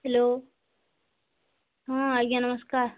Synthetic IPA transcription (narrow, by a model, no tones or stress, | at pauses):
ɦɛloː | ɦõːaɡãːnɐməskaːɾ